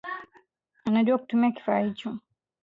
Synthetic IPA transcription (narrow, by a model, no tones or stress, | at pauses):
anaʄuaku̥tumiaki̥faːhit͡ʃɔ